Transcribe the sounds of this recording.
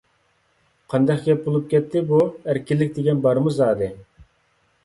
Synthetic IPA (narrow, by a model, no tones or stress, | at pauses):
qʰɑnd̪ɑqɡʲɛp̚bolˠup̚kʲɛt̪ʰːɪbuæɾkʲilːɪkʲd̪eɡʲɛnbɑɾmuzɑːd̪ɨ